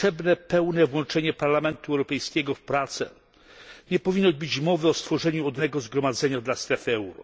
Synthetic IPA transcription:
ʂɛbnɛpɛwnɛvwɔnt͡ʂɛɲɛpaɾlamɛnt̪uɛwɾɔpɛjskʲɛɡɔfpɾat̪sɛ̰ | ɲɛpɔvʲinːɔbɘd͡ʑmɔvɘɔst̪fɔʐɛɲuɔd̪nɛɡɔzɡɾɔmad̪zɛɲad̪last̪ɾɛfɛwɾɔ̰

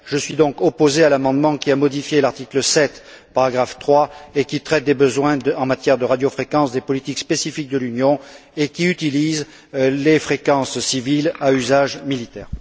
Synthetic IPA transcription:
ʒ̥əsɥid̪ɔ̃kɔpozealamɑ̃d̪mɑ̃kʲiamɔd̪ifjelaʁt̪ikləsɛt̪ | paʁaɡʁaft̪χwaekʲit̪χɛt̪̚d̪ebəzwɛ̃ɑ̃mat̪jɛʁd̪əʁad̪jofχekɑ̃sd̪epɔlit̪ikspesifik̚d̪əlynjɔ̃ekʲiyt̪iliz | lefχekɑ̃sːivilayzaʒmilit̪ɛːʁ

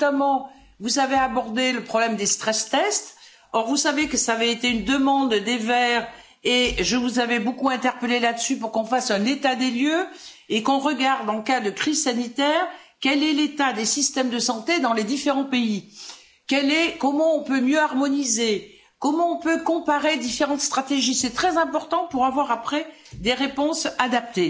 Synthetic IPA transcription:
amɑ̃ | vuzaveabɔʁd̪eləpχɔblɛmd̪est̪χɛst̪ɛst̪ | ɔʁvusavekəsaːvɛet̪eynd̪əmɑ̃d̪d̪evɛːʁ | eʒəvuzavɛbokuɛ̃t̪ɛʁpəlelad̪əsypuʁkɔ̃fasɛ̃net̪ad̪eljø | ekɔ̃ʁəɡaʁd̪ɑ̃kad̪əkχizsanit̪ɛːʁ | kʲɛlɛlet̪ad̪esist̪ɛmd̪əsɑ̃t̪ed̪ɑ̃led̪ifeʁɑ̃pei | kʲɛlɛkɔmɑ̃ɔ̃pømjøaʁmɔnize | kɔmɑ̃ɔ̃pøkɔ̃paʁed̪ifeʁɑ̃t̪st̪χat̪eʒisɛt̪χɛzɛ̃pɔʁt̪ɑ̃puʁavwaʁapχɛ | d̪eʁepɔ̃sad̪ap̚t̪e

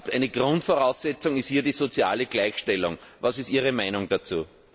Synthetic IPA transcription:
pæɪnəɡ̥ʁʊ̃ntfɔɐʁɑʊsːɛt͡sʊŋɪsthiːɐdiːzot͡sia̰ːləɡ̥læɪçʃtɛlʊ̰ŋvasɪstiːəʁəmæɪnʊŋd̥at͡suː

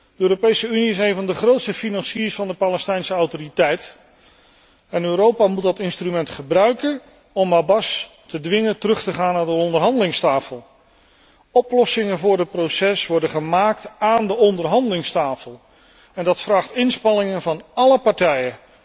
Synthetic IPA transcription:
dəøːrowpejsəyniɪsejnvɑndəχrowtstəfinɑnsiːsfɑndəpaːlɛstɛjnsəɑwtoːritɛjt | ɛnøːɾowpamut̚dɑtɪnstrymɛntχəbrœɥkən | ɔmabɑs | tədʋɪŋəntərɵχtəχaːnaːndəɔndəɹɦɑndəlɪŋstaːfəlˠ | ɔplɔsɪŋənvʊːɹdət̚prowsɛsʋɔɹdəχəmaːk̚taːndəɔndəɹɦɑndəlɪŋstaːfəlˠ | ɛndɑtfraːχtɪnspɑnɪŋənvɑnɑləpɑɹtɛjən

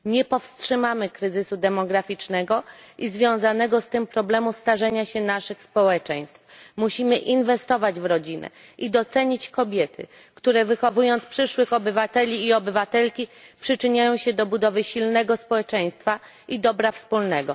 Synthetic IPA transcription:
ɲɛpɔfstʂɘmamɘkɾɘzɘsud̪ɛmɔɡɾafʲit͡ʂnɛɡɔʔizvʲjɔ̃w̃zanɛɡɔst̪ɘmpɾɔblɛmust̪aʐɛɲaɕɛnaʂɘxspɔwɛt͡ʂɛ̃j̃st̪fmuɕimɘʔinvɛst̪ɔvad͡ʑvɾɔd͡ʑinɛ̰ | ʔid̪ɔt̪sɛɲit͡ɕkɔbʲjɛt̪ʰɘ̰ | kt̪uɾɛvɘxɔvujɔnt̪spʂɘʂwɘxɔbɘvat̪ɛlʲiːɔbɘvat̪ɛlkʲipʂɘt͡ʂɘɲajɔ̃w̃ɕɛd̪ɔbud̪ɔvɘɕilnɛɡɔspɔwɛt͡ʂɛj̃st̪fa | ʔid̪ɔbɾafspulnɛɡɔ

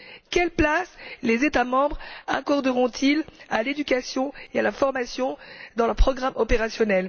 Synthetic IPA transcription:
kʲɛlplaslezet̪amɑ̃bʁa̰kɔʁd̪əʁɔ̃t̪ʰilaled̪ykʲasjɔ̃ealafɔʁmasjɔ̃d̪ɑ̃ləpχɔɡʁamɔpeʁasjɔnɛl

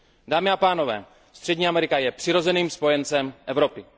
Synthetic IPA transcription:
daːmɪapaːno̞vɛ̰ː | st̪r̥ɛɟɲiːamɛɾɪkajɛpr̝̥ɪɾo̞zɛniːmspo̞jɛnt͡sɛmʔɛvɾo̞pɪ

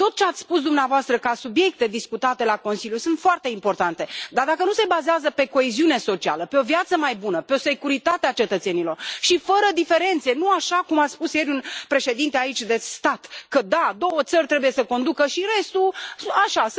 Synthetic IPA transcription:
t̪o̞t̪̚t͡ʃeat̪sʲspus̬d̪umneavoast̪ɾəkasubje̞k̚t̪e̞d̪iskut̪at̪e̞lako̞nsiljusunt̪foart̪e̞impo̞rt̪ant̪e̞d̪ard̪akənuse̞bazeazəpe̞ko̞eziune̞so̞t͡ʃia̰ləpeo̞viat̪səmajbunəpeo̞se̞kuɾit̪at̪eat͡ʃe̞t̪ət̪se̞nilorʃifəɾəd̪ife̞ɾe̞nt̪se̞nuaʃakumat̪sʲspusje̞ɾʲunpɾe̞ʃe̞d̪int̪eait͡ʃʲd̪e̞st̪at̪kəd̪ad̪o̞wət̪sərʲt̪ɾe̞buje̞səko̞nd̪ukəʃiɾe̞st̪uaʃas

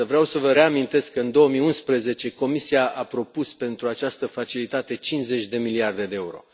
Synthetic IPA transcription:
əvɾeawsəvəɾe̞amint̪e̞skːəɨnd̪o̞əmiunspɾeze̞t͡ʃe̞ko̞misiaʔapɾo̞puspe̞nt̪ɾuat͡ʃast̪əfat͡ʃilit̪at̪e̞t͡ʃinze̞t͡ʃʲd̪e̞miliard̪e̞d̪e̞euɾo̞̰

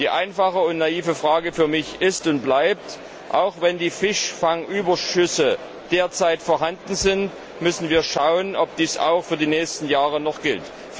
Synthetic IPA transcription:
d̥iːʔa̰ɪnfaχəʊntnaiːvəfʁ̥aːɡəfyːɐmɪçʔɪstʊnt̚b̥laɪp̚t | ʔa̰ʊxv̥ɛndiːfɪʃfaŋʔyːbɐʃʏsə | d̥eːɐt͡saɪtfoːɐɦandn̩zɪnt | mʏsn̩viːɐʃaʊənɔp̚d̥iːsa̰ʊxfyːɐdiːnɛːçstn̩jaːʁənɔχɡ̥ɪlt

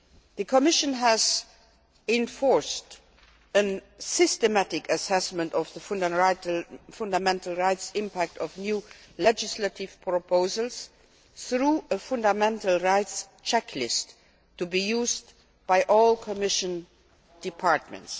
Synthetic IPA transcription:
ðəkʰɔmɪʃə̃nɦəz | ɪ̃ɱfɔɹst | ə̃nsɪstəmætɪkəsɛsmə̃ntɔvðəfn | fʊ̃ndəmɛ̃ntl̩ˠɹaɪtsɪ̃mpʰæk̚tɔvnjuːlɛd͡ʒɪslətɪv̥pʰɹɔpʰoʊzəlˠs | θɹuːəfʊ̃ndəmɛ̃ntəl̩ˠɹaɪts | t͡ʃʰɛkʰlɪstʰː | ubijuːz | b̥aɪʔɔːlˠkʰɔmɪʃə̃n | d̥ɪpʰɑɹtmə̰̃nts

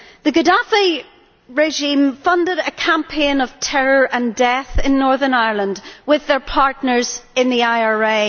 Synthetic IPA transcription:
ðəɡədafi | ɹeʒĩmfʌ̃ndɪɾəkʰãmpʰẽnəv̥tʰɛɹə˞ʔə̃ndɛθɪ̃nːɔɹðə˞naɪəɹlˠə̃ndwɪðə˞pʰaɹtⁿnə˞z̥ɪ̃nðiaɪɑɹe

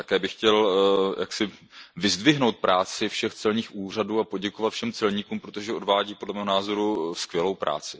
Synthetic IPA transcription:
t̪akɛːbɪxcɛlja̰ksɪvɪzdvɪɦnowt̪̚pɾʔaːt͡sɪfʃɛxt͡sɛlɲiːxʔuːr̝aduːapo̞ɟɛko̞vat̪fʃɛmt͡sɛlɲiːkuːmpɾot̪oʒɛo̞dvaːɟiːpo̞dlɛmɛːɦonaːzo̞ɾuskvjɛlo̞wpɾa̰ːt͡sɪ

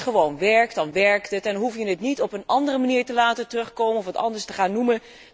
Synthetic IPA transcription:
χəʋownʋɛɹk̚tdɑnʋɛɹktətɛnɦufjənətnitɔpənɑndərəmaniːɹtəlaːtətərɵχkowmənɔfətɑ̰ndəɹstəχaːnːumə

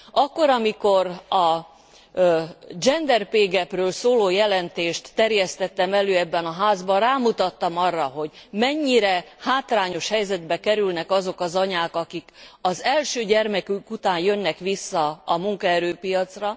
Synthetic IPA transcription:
ɒkːo̞ɾɒmiko̞ɾɒ | d͡ʒɛnd̪ɛrpeːɡɛprøːlsoːloːjɛlɛnt̪eːʃt̪ːɛrjɛst̪ɛt̪ːɛmɛløːɛbːɛnɒɦaːzbɒraːmut̪ɒt̪ːɒmɒrːɒɦo̞ɟmɛɲːiɾɛhaːt̪raːɲo̞ʃhɛjzɛd̪bɛkɛɾylnɛkɒzo̞kɒzɒɲaːkɒkikɒzɛlʃøːɟɛrmɛkykut̪aːnjø̞nːɛkʋisːɒːmuŋkɒɛɾøːpijɒt̪srɒ

